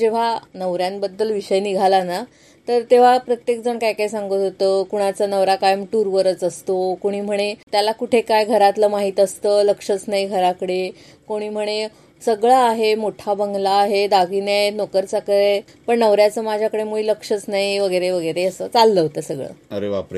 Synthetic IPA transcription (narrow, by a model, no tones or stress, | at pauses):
d͡ʑeʋ̤anəʋɾjãnbəd̪ːəlʋiɕəjniɡʱalana | t̪əɾt̪eʋ̤apɾət̪jekd͡zəɳkajkaisaŋɡət̪ɦot̪əkuɽ̃at͡sənəʋɾakajmʈuɾʋəɾət͡səst̪okoɽ̃iːm̤əɽ̃et̪jalakuʈʰekajɡʱəɾat̪ləmaɦiːt̪əst̪əːləkʂət͡snaiɡʱəɾakəɽe | koɽ̃iːm̤əɽ̃e | səɡɭaːɦemoʈʰabəŋɡlaːɦed̪aɡinanokəɾt͡sakəɾe | pəɳnəʋɾjat͡səmad͡ʑʱjakəɽemuiləkʂət͡snaiʋəɡəɾeʋəɡəɾeəsət͡salːəɦot̪əsəɡɭə̰əɾeʋapɾe